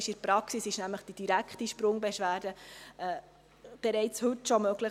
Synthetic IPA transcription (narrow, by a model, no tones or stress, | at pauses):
ʃɪɾpɾɑksisɪʃnæmləχd̥id̥iɾækχtiʃpɾʊŋbɛʃʋæːɾd̥əɛː | b̥ɛɾɛɪt͡shɵtːʃɔmœɡ̥lə